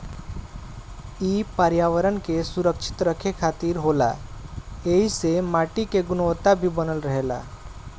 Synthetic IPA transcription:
iːpaɾjaʋəɾənkesʊɾəkʃʰɪ̥t̪ɾəkʰekʰaːt̪iːɾɦola̰ | eɦisemaːʈikeɡʊnʋət̪abʱibənəlɾəɦela̰

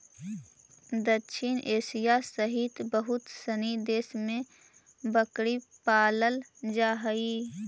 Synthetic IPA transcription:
d̪əʃʰɪnʔeːsijasəɦɪt̪bəɦʊt̪sənid̪eːsmẽ | bəkɽipaːləld͡ʒaːɦəi

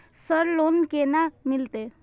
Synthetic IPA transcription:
səɾlonkenamilt̪e

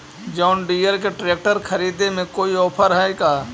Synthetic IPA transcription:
d͡ʒɔːʊnɖiːjəɾk̬eʈɾeːk̚ʈəɾxʰɐɾiːd̪emẽkoːiɔːpʰəɾɦɐɦeːɡaː

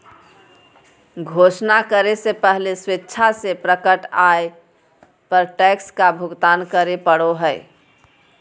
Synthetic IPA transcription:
ɡʱosnakəɾesepəɦleswetːʃʰasepɾəkəʈaje | pəɾʈɛkskabʱuɡt̪ankəɾepəɽoɦəj

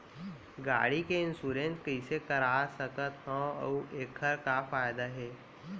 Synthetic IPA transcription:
ɡa̰ːɽikeɪnsuːɾẽnskəisekəɾaːsəkət̪ɦə̃ə̰eːkʰːəɾkafaːjd̪aɦɛː

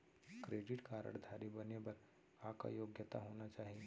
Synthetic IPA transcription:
kɾeːɖɪʈkaːɾə̰ɳd̪ʱaːɾibɐnebɐɾ | aːka̰joːɡjət̪a̰ɦoːnat͡ʃaːɦie

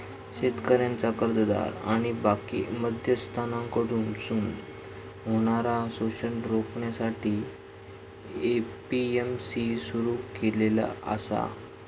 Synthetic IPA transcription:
ɕet̪kəɾjãnt͡sakəɾd̪əd̪a̰ɾa̰ɽ̃ibakḭməd̪ʱjəst̪ʰanãŋkəɽuːnsuːn | ɦoɽ̃aɾasot͡ɕəɳɾokɳjasaʈiː | epiemsisuɾuːkelela̰ə̰sa̰

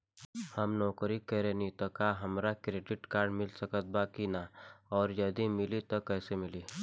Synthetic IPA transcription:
həmnɔːkɾikəɾẽnit̪ɔkaɦɐmɾakɾeːɖɪʈkaːɾɖmɪlsəkət̪̚baːkinaɔːɾjɐd̪imɪlit̪okɛːsemɪli

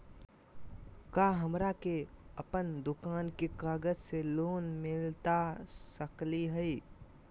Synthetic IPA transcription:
kaːɦəmɾakeəpənd̪ʊkaːnkekaːɡəd͡ʒseloːnmɪlt̪asəkliɦɛi

